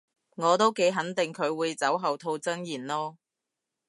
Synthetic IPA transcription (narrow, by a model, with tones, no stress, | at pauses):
ŋɔː˨˧t̪o˥wke˨˥jɦɐ˨˥nt̪ɪ˨ŋkʰɵ˨˧ɥwuː˨˧jt͡sɐ˨˥wɦɐ˨wt̪ʰo˧wt͡sɐ˥njiː˨˩nlɔː˥